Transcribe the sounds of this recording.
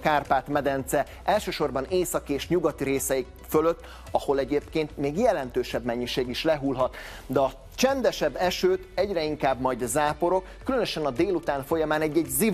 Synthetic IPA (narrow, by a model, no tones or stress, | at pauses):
kaːrpaːt̪mɛd̪ɛnt̪sɛ | ʔɛlʃøːʃo̞rbɒneːsɒkieːʃɲuɡɒt̪iɾeːsɛik | føløt̪ː | ɒho̞lɛɟeːpkeːnt̪meːɡjɛlɛnt̪øːʃɛbmɛɲːiʃeːɡiʃlɛɦulɦɒt̪ | d̪ɛɒ | t͡ʃɛnd̪ɛʃɛbːɛʃøːt̪ɛɟrɛiŋkaːbmɒjd̪zaːpo̞ɾo̞kːylønøʃɛnɒd̪eːlut̪aːnfo̞jɒmaːnɛɟːɛɟzi